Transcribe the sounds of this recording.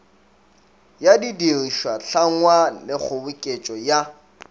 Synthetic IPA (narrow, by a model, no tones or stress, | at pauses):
jadidiŋ̩ʃwaɬʰaŋ̩walɪk͡xʰʊwʊkʼet͡ʃʼɔja